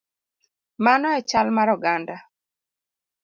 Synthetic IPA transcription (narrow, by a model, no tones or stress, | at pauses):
manɔɛt͡ʃalmaɾɔɡanda